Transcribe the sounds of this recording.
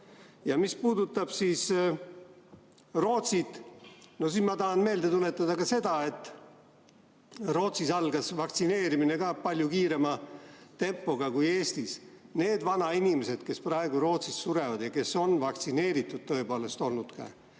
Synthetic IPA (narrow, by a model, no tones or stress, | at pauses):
jɑmispuːd̪ut̪ːˑɑb̥siːs | ro̞ːt̪sit̪no̞s̬inmɑt̪ɑɦɑnme̞ːld̪̥e̞t̪ule̞t̪ːˑɑd̪ɑkɑse̞d̪̥ɑe̞t̪ːˑ | ro̞ːt̪sisɑlɡ̥ɑsvɑk̚t̪sine̞ːɾimine̞kɑpɑlʲjukiːɾe̞mɑt̪e̞mpːo̞ɡ̥ɑkuje̞ːst̪isne̞ːd̪vɑnɑinimese̞d̪̥ke̞sprɑe̞ɡ̥uɾo̞ːt̪sist̪suɾevɑd̪̥jɑke̞so̞nvɑkt̪sine̞ːɾit̪ːˑud̥̪̚t̪ːɤ̞epo̞ːle̞st̪o̞lnud̪̥kɑ̰